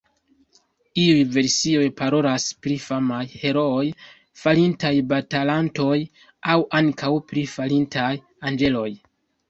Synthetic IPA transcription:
iujve̞ɾsio̞jpaɾo̞laspɾifamajhe̞ɾo̞oj | falintajbatalanto̞j | awʔaŋkawpɾifalintʰaj | and͡ʒe̞lo̞j

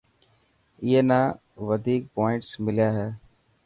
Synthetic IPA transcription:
jeːna | ʋəd̪ʱiːk̚pɔːɪ̃ɳʈsmɪljaɦɛː

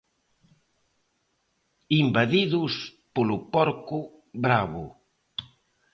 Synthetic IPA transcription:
imbaðiðʊspolʊpɔɾkʊ | βɾaβʊ

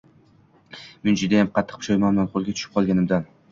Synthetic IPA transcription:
mɪnd͡ʒɪd̪ajamqʰɑt̪ʰːɨ̥q̚pʰʃɒjmanlanqʰolˠɡʲat̪ʰʊ̥ʃɪ̥p̚qʰɒlˠɡʲanɪmd̪an

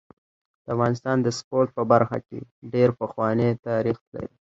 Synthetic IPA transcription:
d̪̥əafɣɑnɪst̪ɑnd̪əspoɾt̪̚pəbaɾxa̰kḛɖeɾpəxwɑnet̪ɑɾixla̰ɾi

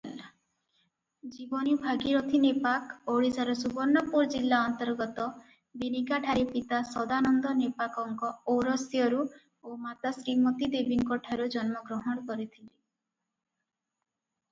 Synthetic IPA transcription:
d͡ʒibɔnibʱaɡiɾɔt̪ʰinepakoɽisaɾɔsubɔɾnːɔpuɾd͡ʒilːaɔnt̪ɔɾɡɔt̪ɔ | b̪inikaʈʰaɾipit̪asɔd̪anɔnd̪ɔnepakɔŋkɔoɾɔsjɔɾu | omat̪asɾimɔt̪id̪ebiŋkɔʈʰaɾud͡ʒɔnmɔɡɾɔɦɔɽ̃ɔkɔɾit̪ʰili

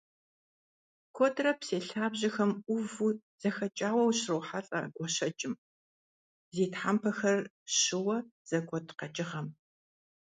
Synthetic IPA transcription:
kʰɔtʰrɐpseːɬaːbʑɪxɐmʔʷʊvu | z̥ɐxɐt͡ʃʼaːwɐwɕrɨwħaɬʼɐ̰ɡʷɔʃɐt͡ʃʼɪm | zeːtħampʰɐxɐr | ɕɪwɐz̥ɐkʷʰɔtʰqɐt͡ʃʼɪʁɐm

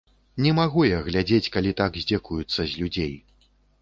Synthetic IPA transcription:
nʲɛmaɣujɐɣlʲad͡zʲet͡sʲkalʲit̪aɡzʲd͡zʲekujut̪sːɐzʲlʲud͡zʲej

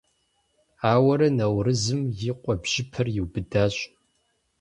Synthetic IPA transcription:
aːwɐɾɐnɐwrɨzɨmjɪqʷʼɔbʒ̥ɪpʰɐrjiwbɨdaːɕʼ

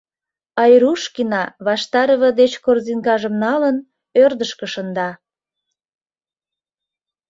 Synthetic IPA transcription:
ɑjɾuʃkinɑβɑʃt̪ɑɾəβə̆d̪et͡ɕkorzinkɑʒəmnɑlən | ørd̪əʃkəʃənd̪ɑ

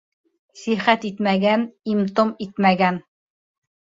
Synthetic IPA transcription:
siχæt̪it̪mæɡænimt̪omit̪mæɡæn

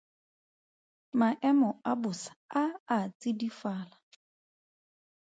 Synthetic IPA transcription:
maʔɛmɔabʊsḁaat͡sidifaːla

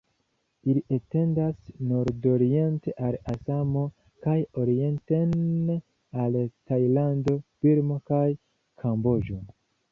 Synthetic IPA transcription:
iliʔete̞ndasno̞ɾdo̞ɾie̞nte̞ʔalasamo̞ | kajo̞ɾie̞nten | altajlando̞biɾmo̞kaj | kʰambo̞d͡ʒo̞

